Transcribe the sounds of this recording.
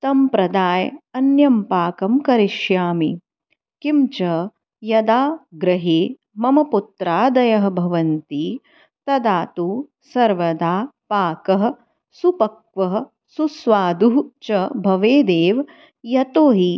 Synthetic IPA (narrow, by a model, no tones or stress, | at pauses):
t̪ɐmpɾɐd̪aːjɐnjɐmpaːkɐmkɐɾiʃjaːmḭ | kimt͡ʃɐ | jɐd̪aːɡɾɐɦeː | mɐmɐput̪ɾaːd̪ɐjɐɦɐ̆bʱɐʋɐnt̪i | t̪ɐd̪aːt̪u | sɐɾʋɐd̪aːpaːkɐɦɐ | supɐkʋɐɦ | susʋaːd̪uɦt͡ʃɐbʱɐʋeːd̪eːʋ | jɐt̪oːɦi